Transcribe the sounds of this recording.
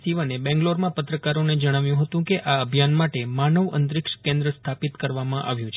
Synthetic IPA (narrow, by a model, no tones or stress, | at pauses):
siʋənebɛ̃ŋɡloɾmãpət̪ɾəkaɾoned͡ʒəɽ̃aʋjũɦət̪ũkeʔaəbʱjanmaʈemanəʋə̰nt̪ɾɪkʂkẽnd̪ɾəst̪ʰapit̪kəɾʋamãʔa̰ʋjũt͡ʃʰ